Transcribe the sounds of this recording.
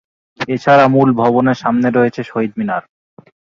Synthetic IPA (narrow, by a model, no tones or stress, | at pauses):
et͡ɕʰaɾamulbʱɔboneɾʃamneɾoet͡ɕʰeʃoɦid̪̚minaɾ